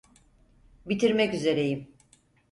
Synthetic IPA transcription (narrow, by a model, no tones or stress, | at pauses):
bit̪ʰiɾmɛkyze̞ɾe̞jim